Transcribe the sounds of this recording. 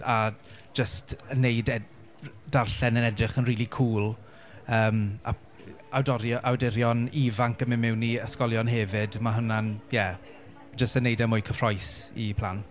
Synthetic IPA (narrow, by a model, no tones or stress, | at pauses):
a | d͡ʒəstʰənːejdɛ | d̥arɬɛnənɛdrɪχənriːlˠikʰuːlˠ | əːma̰ | awdɔɾjɔʔawdɪɾjɔnivaŋkəmɪmɪwnːiəskɔlˠjɔnɦɛvɪdmaɦʊnanjɛ | d͡ʒəstənejdɛmʊjkʰəfrɔjsḭpʰlˠan